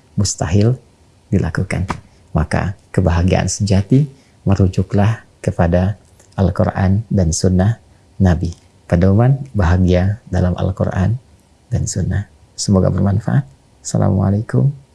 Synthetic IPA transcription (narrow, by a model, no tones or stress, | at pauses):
must̪aɦɪl | dilʔakuka̰n | maka̰kəbaɦaɡia̰ʔa̰nsəd͡ʒat̪i | məɾud͡ʒʊklah | kəpada | ʔalkoɾʔandansunːah | nabi | padaumanbaɦaɡiadalamʔa̰lko̰ɾʔan | dansunːah | səmoɡa̰bərmanfa̰ʔat̪̚ | sala̰mwa̰lakʊm